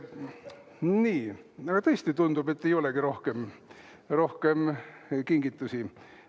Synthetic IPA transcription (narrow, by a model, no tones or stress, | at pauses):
niːɑɡ̥ɑt̪ɤ̞st̪it̪und̪ube̞t̪ːe̞jo̞le̞ɡiɾo̞hke̞m | ro̞hke̞mkiŋɡit̪ːˑusi